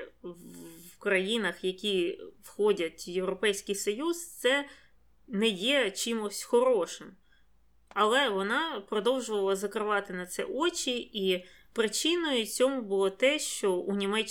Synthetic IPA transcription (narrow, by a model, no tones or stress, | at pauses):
kɾɐjinɐxjɐkʲiwxɔdʲɐtʲjewɾɔpɛjsʲkɪjsɔjuzt̪sɛ | nɛjɛt͡ʃimʊsʲxɔɾɔʃɪm | ɐlˠɛʋɔnɑpɾɔd̪ɔwʒʊʋɐlˠɐzɐkɾɪʋɑt̪ɪnɐt̪sɛ̰ʔɔt͡ʃʲii | pɾɪt͡ʃinɔjʊt͡sʲɔmʊbʊlˠɔt̪ɛʃt͡ʃɔunʲimɛt͡ʃ